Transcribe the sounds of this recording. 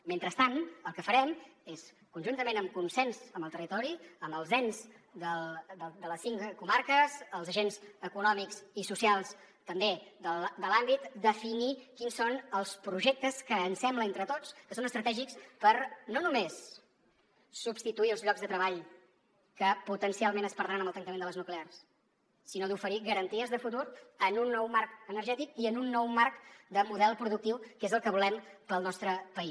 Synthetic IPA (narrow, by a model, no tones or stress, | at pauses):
ment̪ɾəst̪anəlˠkəfəɾɛmes | kunʒunt̪əmenəmkunsɛnzəmbəlˠt̪ərit̪ɔɾiəmbəlˠzɛnz | d̪əld̪əd̪ələsiŋkumaɾkəzəlˠzəʒenzəkunɔmikzisusialˠs | t̪əmbed̪əd̪əlambit̪d̪əfinikinsonəlˠspɾuʒek̚t̪əskəːnsɛmbləent̪ɾət̪ot͡skəsonəst̪ɾət̪ɛʒikspəɾnonumes | subst̪it̪uiəlˠzʎɔɡzðət̪ɾəβ̞aʎ | kəput̪ənsialˠmenəspəɾðɾanəməlˠt̪əŋt̪əmenələznuklears | sinod̪ufəɾiɣəɾənt̪iəzðəfut̪̬uɾənunːɔwmarkənəɾʒɛt̪ikiənunːɔwmarkd̪əmuðɛlˠpɾuðuk̚t̪iwkezəlˠkəβulɛmpəlˠnɔst̪ɾəpəis